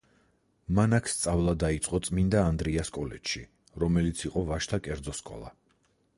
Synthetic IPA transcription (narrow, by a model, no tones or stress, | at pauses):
manakʰst̪sʼavlˠad̪ait̪sʼqʼɔt̪sʼmind̪aːnd̪ɾiaskʼɔlɛt̪ʃi | ɾɔmɛlit̪sʰiqʼɔvaʃt̪ʰakʼɛɾd̪zɔskʼɔ̰lˠa̰